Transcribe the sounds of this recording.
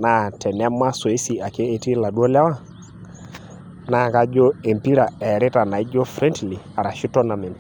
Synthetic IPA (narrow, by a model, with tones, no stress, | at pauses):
na˨tʰɛ˨nɛ˦ma˦sɔ˨e˦si˨a˨keː˦˨ti˦la˨du˦o˦lɛ˦wa˦˨ | na˦ka˦d͡ʒo˦e˨mpi˦ɾa˨ɛ˨ɾɪ˦ta˨na˨i˦d͡ʒo˦fɾɛ˦ntli˨a˨ɾa˨ʃu˦tɔ˦na˨me˨mp